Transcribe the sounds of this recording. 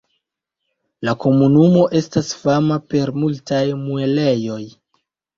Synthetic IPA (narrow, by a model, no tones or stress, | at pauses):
lako̞munumo̞ʔe̞stasfamape̞ɾmultajmue̞le̞jo̞j